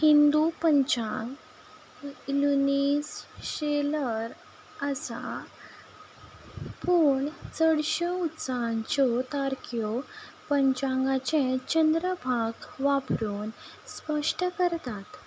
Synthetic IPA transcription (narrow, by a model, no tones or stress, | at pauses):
hind̪upəɲt͡ɕãŋɡ | lunisɕeləɾ | əsa | puːɳt͡səɽɕeut̪saɲt͡ɕɔt̪aɾkjɔ | pəɲt͡ɕãŋɡat͡ɕẽt͡ɕənd̪ɾəbʱaɡʋapɾuːn | spəʂʈəkəɾt̪at̪